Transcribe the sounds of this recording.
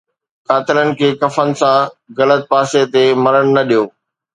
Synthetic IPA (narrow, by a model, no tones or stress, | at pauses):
kaːt̪ɪlənɪ̆kʰeːkɐfənɪ̆sãɣɐlət̪̚paːset̪emɐɾəɽ̃ʊnɐɗijoː